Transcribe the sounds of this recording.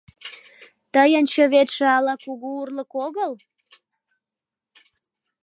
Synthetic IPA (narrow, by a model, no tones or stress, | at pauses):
t̪əjənt͡ɕəβet̪ʃĕɑlɑkuɣuurləkoɣəl